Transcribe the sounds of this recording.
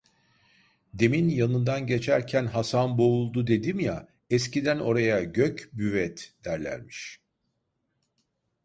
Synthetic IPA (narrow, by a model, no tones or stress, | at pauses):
d̪e̞minjanɯnd̪anɟe̞t͡ʃʰæɾcʰænɦasanboulˠd̪ud̪e̞d̪imja | ɛscid̪æno̞ɾajaɟøcbyvɛt̪d̪̥æɾlʲæ̰ɾmiʃ